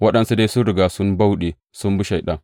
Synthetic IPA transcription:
wɐ˦ɗɐ˨nsu˦da˦jsʊ˦nɽɪ˨ɡaː˨sʊ˦mba˦wɗeː˨ | sʊ˦mbʊ˦ʃa˨jɗɐ˦ŋ

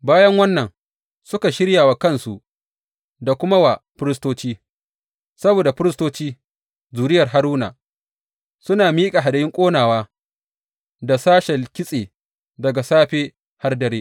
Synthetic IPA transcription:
baː˦jɐ˦ŋwɐ˦nːɐ˨ŋ | sʊ˦ka˨ʃɪ˦ɽjaː˨wa˨kɐ˦nsu˨ʔ | da˨kʷʊ˦ma˦wa˨ɸʊ˦ɾɪ˦stoː˦t͡ʃiː˦ | sɐ˦boː˨da˨ɸɪ˦ɾɪ˦stoː˦t͡ʃiː˦ | zuː˨ɾɪ˦jɐ˨rɦa˦ɾuː˦na̰˨ | sʊ˦naː˨miː˦kʼa˨ɦa˨da˨ɪ˦ŋkʷʼoː˦naː˨waː˦ | da˨saː˦ʃɛ˨lkʲɪ˦sʼeː˨ | dɐ˨ɡa˨saː˦ɸeː˦ | ha˦rdɐ˨ɾeː˦

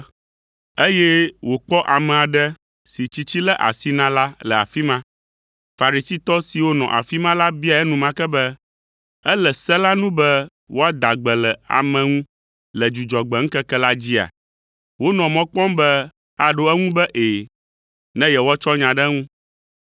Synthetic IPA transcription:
e˦jɛ˦wo˨k͡pɔ˦ʔa˨mɛ̃˨a˨ɖɛ˦ | si˨t͡ɕi˦t͡ɕi˦lɛ˦ʔa̰˨si˦nã˦la˦lɛ˨a˨fi˦mã˦ | fa˨ɾi˨si˦t̪ɔ˦si˨wo˦nɔ̰̃˨ʔa̰˨fi˦mã˦la˦bi˦a˨ɛ˦nũ˨mã˦kɛ˦bɛ˦ | ɛ˦lɛ˨sɛ˦la˦nũ˦bɛ˦ | wʔo˦a˦d̪a˨ɡ͡bɛ˨lɛ˨a̰˨mɛ̃˨ŋũ˦ | lɛ˨d͡ʒu˨d͡ʒɔ˨ɡ͡bɛ˨ŋ̩˦kɛ˦kɛ˦la˦d͡ʑi˦a̰˨ | wo˦nɔ̃˨mɔ̃˦k͡pɔ̃˦mbɛ˦ | a˨ɖo˦ɛ˦ŋũ˦bɛ˦ʔeː˨ | nɛ̃˦jɛ˨wɔ˦t͡ʃɔ˦ɲã˨ɖɛ˦ŋũ˦

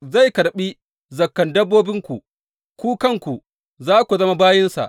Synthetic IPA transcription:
za˦˨jkɐ˨ɽɓi˦ | zɐ˨kːɐ˨ndɐ˦bːoː˦bɪ˦ŋkʷu˨ | kʷuː˦kɐ˦˨ŋkʷu˨ | zaː˦kʷu˨zɐ˦ma˦baː˦jɪ˦nsa̰˨ʔ

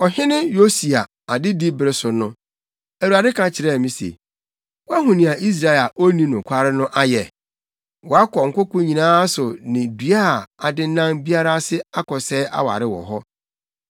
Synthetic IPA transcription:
ɔ˨hɪ̃˦nɪ̃˦jo˦si˨a˨ | a˨dɪ˦di˦bɪ˨ɾɪ˦sʊ˨nʊ̃˦ | æ˨u˨a˨dɪ˦kʰã˨t͡ɕʰɪ˨ɾɛ˦˨mĩ˦sḛ˨ | wɔ˦a˦ɦʊ̃˨nĩ˨a˨ʔi˦s̬ɾa˦˨e˨la˨ʔo˦nĩ˦nʊ̃˨kʷʰa˦ɾɪ˦nʊ̃˦ʔa˦jɛ˨ | wɔ˨a˦kʰɔ˨ŋ̩˨kʊ˦kʊ̃˦ɲĩ˨nãː˦sʊ˨nɪ̃˨di˨˦a˦˨a˨dɪ˦n˦nã˦ŋbi˦a˦ɾa˦sɪ˦a˦kʰɔ˨sɛ˦a̰˦wa̰˨ɾɪ˦wɔ̰˨ɦɔ˦

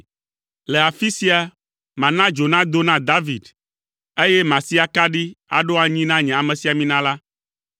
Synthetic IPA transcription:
le˨a˨fi˦si˦a˨ | mã˨nã˦d͡ʒo˨nã˦d̪o˦nã˦d̪a˦vi˨d̪ | e˦jɛ˦mã˨si˦a˨ka˦ɖi˦a̰˨ɖo˦a˨ɲĩ˦nã˦ɲɛ̃˨a˨mẽ˨si˨a˨mĩ˦nã˦la˦

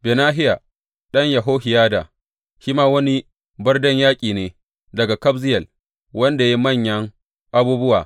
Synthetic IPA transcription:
beː˨naː˦ɦɪ˦ja˨ | ɗɐ˦ɲjɐ˨ɦoː˦hɪ˨jaː˦da˨ | ʃi˦maː˦wɐ˦ni˦ | bɐ˦rdɐ˦ɲjaː˦kʲʼiː˨neː˦ | dɐ˨ɡa˨kɐ˦bzɪ˦jɐ˨l | wɐ˦nda˨ji˦mɐ˦˨ɲjɐ˦ŋ | ʔa˦buː˦bʊ˦waː˨

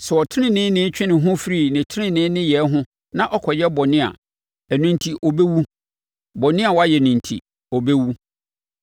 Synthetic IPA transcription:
sɛ˨ɔ˨tʰɪ˦nɪ̃˦nɪ̃˦nɪ̃˦t͡ɕᶣɪ˦nɪ̃˨ɦʊ̃˦fi˦ɾi˦˨nɪ̃˨tʰɪ˦ɪ̃˦nɪ̃˦nɪ̃˦jɛ˨˦ɦʊ̃˦ | nã˦ʔɔ˦kʰɔ˨jɛ˦bɔ˨nɪ̃˦a̰˨ | æ˨nũ˨ntʰi˨ʔɔ˨be˦wu˦ | bɔ˨nɪ̃˦a˨wɔ˦a˦jɛ˨nũ˨ntʰḭ˨ | ɔ˨be˦wu˦

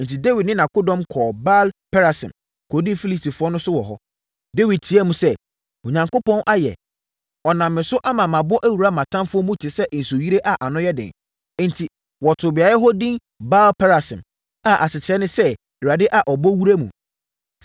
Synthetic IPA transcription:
n̩˨tʰi˨de˦wi˨dnɪ̃˦nã˨kʊ˦dɔ̃˦mkʰɔː˨ba˦lpʰɛ˦ɾa˨sɪ̰̃˨m | kʰɔ˨dĩ˦fi˦li˦sti˨fʊ˦ɔ˦nʊ̃˦sʊ˦wɔ˨ɦɔ˦ | de˦wi˨d̚tʰi˨˦æ˦mũ˨sɛ˦ | õ˨ɲã˨ŋko˦pɔ̃˦nʔa˦jɛ̰˨ | ɔ˨nã˨mːɪ̃˨sʊ˦ʔa˦mã˨mã˨bɔ˦ʔæ˦wu˨ɾa˦˨mã˨tʰã˦mfʊ˦ɔ˦mũ˦tʰi˨sɛ˦ʔn̩˨so˨ji˦ɾe˦ʔa˨ʔa˨nʊ̃˦jɛ˦dɪ̰̃˨n˦ | n̩˨tʰi˨ | wɔ˨tʰʊ˨bɪ˨a˨jɛ˦ɦɔ˦dĩ˦n | ba˦lpʰɛ˦ɾa˨sɪ̰̃˨m | a˨ʔa˨sɪ˨t͡ɕʰɪ˨ɾɛ˦nɪ̃˦sɛ˦ | i˨ɾa˨dɪ˦ʔa˨ʔɔ˨bɔ˦wu˦ɾa˦mṵ̃˨

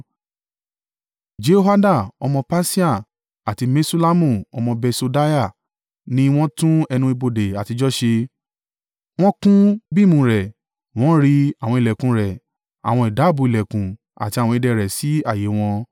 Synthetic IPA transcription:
d͡ʒe˦o˦ɦa˦da˦˨ɔ˧mɔ̃˧pa˦si˦a˦˨ | a˨ti˧me˦su˦la˦mũ˦˨ɔ˧mɔ̃˧bɛ˧so˧da˦ja˦˨ | nĩ˧˦w̃ɔ̃˦tũ˦ɛ˧nũ˧i˧bo˧de˨a˨ti˧d͡ʒɔ˦ʃe˧ | w̃ɔ̃˦kũ˦bi˦˨mũ˧˦ɾɛ˨ | w̃ɔ̃˨˦ɾi˧a˨w̃ɔ̃˧i˨lɛ˨kũ˨˦ɾɛ˨ | a̰˨w̃ɔ̃˧i˨da˨˦˨bu˧˨i˨lɛ˨kũ˨ | a̰˨ti˧a˨wɔ̃˧i˧dɛ˧ɾɛ˨si˨˦a˦˨je˨˦w̃ɔ̃˧

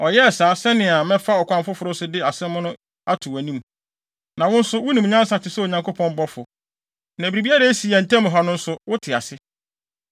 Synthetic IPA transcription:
ɔ˨jɛ˦ɛ˨saː˨˦sɛ˦nɪ̃˨a˨mɛ̃˦fa˦ɔ˨kʷã˨˦mfʊ˦fʊ˨ɾʊ˦sʊ˦dɪ˦a˨sɛ̃˦m˦mʊ̃˦nʊ̃˦ | a˦tʰʊ˨wæ˨nĩ˦m | nã˨wʊ̃˦n̩˦sʊ˦wʊ˦nĩ˨m˨ɲã˦sa˨t͡ɕʰɪ˨sɛ˦o˨ɲã˨ŋko˦pʰɔ̃˦m˦bɔ˦fʊ˨ | næ̃˨bi˨ɾi˨bi˦a˦ɾa˦si˨æ˨n̩˨tʰɛ̃˦m˨ɦa˨nʊ̃˦n̩˦sʊ˦wʊ˦tʰɪ˨a̰˨sɪ˦

